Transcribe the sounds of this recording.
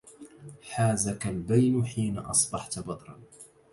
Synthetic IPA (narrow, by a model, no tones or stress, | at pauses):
ħaːzakalbajnħiːna̰ʔɑ̰sˤbɑħt̪bɑd̪ˤɾˤɑ̰n